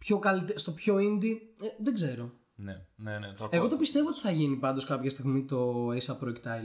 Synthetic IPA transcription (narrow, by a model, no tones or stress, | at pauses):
pço̞kɐlit̪est̪o̞pço̞ind̪ieðeɡze̞ɾo̞ | neneneeɣo̞t̪opist̪e̞voot̪iθɐʝinipɐnd̪o̞skɐpçɐst̪iɣmit̪o̞esɐpɾoekt̪ɐl